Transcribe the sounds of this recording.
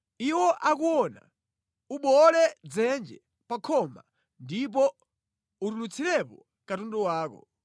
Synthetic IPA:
iwɔʔak̬uɔna̰ | uɓɔlɛd͡zɛnd͡ʒɛ | pakʰɔma̰ | ndip̬ɔ | uɾulut͡sʰilɛpɔ | katundɔwaːkɔ̰

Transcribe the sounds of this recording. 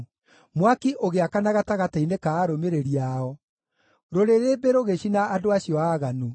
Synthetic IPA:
mwakiʔoɣeakanaɣataɣatainekaːɾomeɾeɾiaɔ | ɾoɾeɾebeɾoɣeɕinaːdoaɕjɔaːɣanu

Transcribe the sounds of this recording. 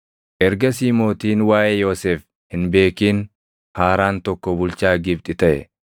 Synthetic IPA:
ʔɛɾɡɐsiːmo̞ːt̪iːnwaːʔɛjo̞ːseːf | hɪnbe̞ːkiːn | haːɾaːnt̪ɔkːɔbʊlt͡ʃaːɡɪb̚t̪ʼɪt̪ɐʔɛ̰

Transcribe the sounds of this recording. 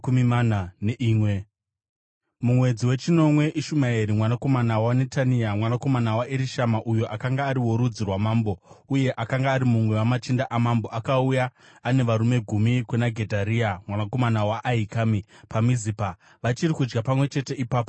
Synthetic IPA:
kumimananeʔiːmwe | mumwe̞d͡ziwe̞t͡ʃino̞mwe̞ʔiʃumaiɾimwanako̞manawane̞taniamwanako̞manawaʔiɾiʃamaʔujo̞ʔakaŋɡaːɾiwo̞ɾud͡zirwamaːmbo̞uje̞ʔakaŋɡaːɾimumwe̞wamat͡ʃindaʔamamboʔakaujaː | ne̞ʋaɾume̞ɡʱumikwenaɡʱe̞dʱaɾiamwanako̞manawaʔːikaːmipamizipa | ʋat͡ʃirikud͡ʒɡapamwe̞t͡ʃe̞te̞ipaːpo

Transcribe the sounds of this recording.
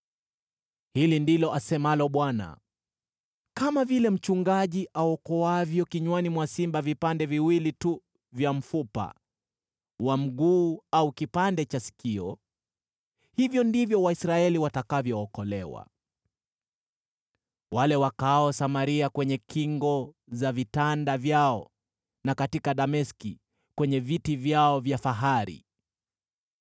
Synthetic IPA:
hilindilɔʔasɛmalɔɓwana̰ | kamavilɛm̩t͡ʃuŋɡaʄiʔaɔkɔwavjɔkiɲwanimwasimbavipandɛviwilitu | vjam̩fupa̰ | wam̩ɠuːaukipandɛt͡ʃasi̥kiɔ | hivjɔndivjɔwaisɾaɛliwatakavjɔːkɔlɛwa̰ | walɛwakaɔsamaɾiakwɛɲɛkiŋɡɔ | zavitandavjaɔ | nakatikaɗamɛski | kwɛɲɛvitivjaɔvjafaɦaɾḭ

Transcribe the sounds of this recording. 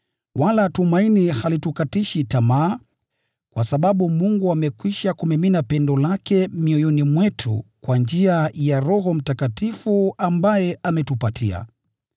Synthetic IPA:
walatumainihalitukatiʃitamaː | kwasaɓaɓumuŋɡuamɛkwiʃakumɛminapɛndɔlakɛmiɔjɔnimwɛtʰṵkwand͡ʒiajaɾɔɦɔm̩takatifuambajɛamɛtupatʰia̰

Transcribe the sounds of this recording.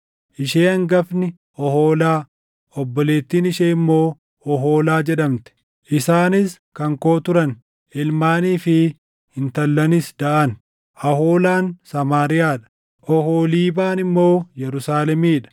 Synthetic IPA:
ʔɪʃeːɐŋɡɐfnɪ | ʔɔhoːlaː | ɔbːɔle̞ːt̪ːiːnɪʃeːɪmːo̞ː | ɔɦo̞ːlaːd͡ʒɛᶑɐmt̪ɛ̥ | ʔɪsaːnɪs | kɐŋko̞ːt̪ʊɾɐn | ɪlmaːniːfɪ | hɪnt̪ɐlːɐnɪsd̪ɐʔɐn | ʔɐhoːlaːnsɐmaːɾɪjaːᶑɐ̥ | ʔɔhoːliːbaːnɪmːo̞ːjɛɾʊsaːlɛmiːᶑɐ̥

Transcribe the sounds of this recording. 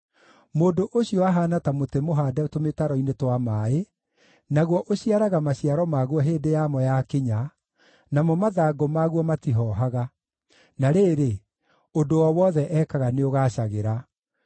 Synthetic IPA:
moːndoʔoɕiɔwaɦaːnatamotemoɦaːdɛtometaɾɔinetwamae | naɣwɔʔoɕiaɾaɣamaɕiaɾɔmaɣwɔɦeːdejamɔjakeɲa | namɔmaðaːɡomaɣwɔmatiɦɔːɦaɣa | naɾeːɾe | ondowɔwɔðɛʔɛkaɣaneoɣaːɕaɣeɾa

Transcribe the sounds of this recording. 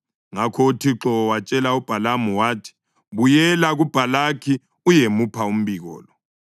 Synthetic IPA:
ŋakʰɔutʰiǁɔwat͡ʃʼɛlaub̥ʱalamuwaːtʰi̥ | βujɛlaɣub̥ʱalakʰi | ujemupʰaum̩biɣɔ̰ːlɔ

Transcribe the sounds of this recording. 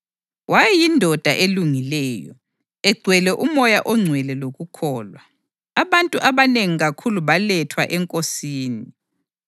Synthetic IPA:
wajɛjindʱɔd̥ʱaʔeluŋilɛːjɔ̰ | ɛɡ͡ǀʱwɛlɛʔumɔjaʔɔŋ͡ǀʱwɛlɛloɣukʰɔːlwa | aβantʼuʔaβaneŋiɣakʰuluβalɛtʰwaʔɛŋkʼosiːni

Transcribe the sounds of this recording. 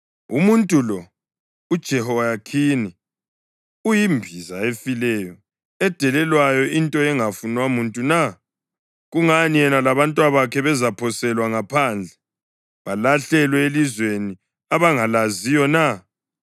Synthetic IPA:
umuntʼulɔ | ud̥ʒ̥ʱɛhɔjakʰini | ujimbʱizaefilɛjɔ | ɛd̥ʱɛlɛlwajɔintʼɔɛŋafunwamuntʼuna | ɣuŋanijɛnalaβantʼwaβakʰɛβɛzapʰɔsɛlwaŋapʰand͡ɮʱɛ | βalaɬɛlwɛelizweni | aβaŋalazijɔna

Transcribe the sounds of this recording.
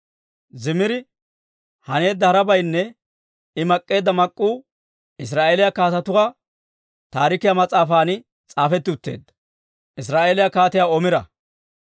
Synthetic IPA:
zɪmɪɾɪ | hɐne̞ːd̪ːɐhɐɾɐbɐjnːɛ | ɪmɐkʼːe̞ːd̪ːɐmɐkʼːuː | ɪs̬ɾaːʔeːlɪjɐkaːt̪ɐt̪ʊkɐ | t̪aːɾɪkɪjamɐt͡sʼaːfaːnɪ | t͡sʼaːfɛt̪ːɪʊt̪ːe̞̰ːd̪ːɐ̥ | ʔɪs̬ɾaːʔeːlɪjakaːt̪ɪjaːɔmɪɾɐ̰

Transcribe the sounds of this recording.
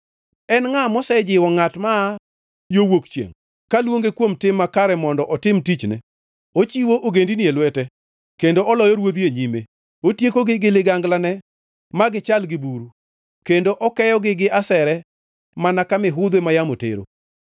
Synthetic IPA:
ɛnŋamɔsɛd͡ʒɪwɔŋatma | jowokt͡ʃjḛŋ | kalwoŋɡekwomtɪmːakaɾɛmɔndɔʔɔtɪmtit͡ʃnɛ̰ | ot͡ʃiwoʔoɡendinjelwɛtɛ | kendoʔɔlɔjɔɾwod̪eɲime | otjekoɡɪɡɪlɪɡaŋɡlanɛ | maɡɪt͡ʃalɡɪbuɾu | kendoʔɔkɛjɔɡɪɡɪʔasɛɾɛ | manakamɪɦʊd̪wemajamotḛɾo̰

